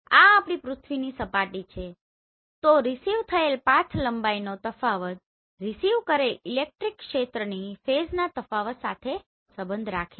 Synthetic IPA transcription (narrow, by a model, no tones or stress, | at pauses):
aːpɽ̃ipɾʊt̪ʰʋinisəpaʈit͡ʃʰe | t̪oɾisiʋt̪ʰəelpãt̪ʰləmbainot̪əfaʋət̪̚ | ɾisiʋkəɾelilek̚ʈɾikːkʃet̪ɾənifeznat̪əfaʋət̪sat̪ʰe | səbənd̪ʱɾakʰe